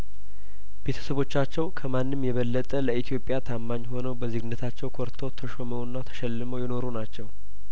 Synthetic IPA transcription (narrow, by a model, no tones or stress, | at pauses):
b̥e̞t̪ʰə̥səβo̞t͡ʃːat͡ʃːɛwkʰəmanːɨmjɛβəlːət̪ʼələʔit̪ʰijo̞pʼjat̪ʰamːaɲːho̞nəwbəzɨɡɨnːət̪ʰat͡ʃːɛwkʰoɾt̪ʰowt̪ʰəʃoməwnːat̪ʰə̥ʃɛlːɨməwjɪno̞ɾunat͡ʃːɛw